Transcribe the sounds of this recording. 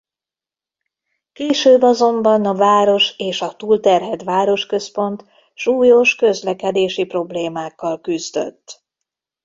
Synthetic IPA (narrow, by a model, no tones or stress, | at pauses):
keːʃøːbːɒzo̞mbɒnɒvaːɾo̞ʃeːʃɒt̪uːlt̪ɛrɦɛt̪ʋaːɾo̞ʃkø̞spo̞nt̪ | ʃuːjo̞ʃkø̞zlɛkɛd̪eːʃipro̞bleːmaːkːɒlkyzd̪ø̰t̪ː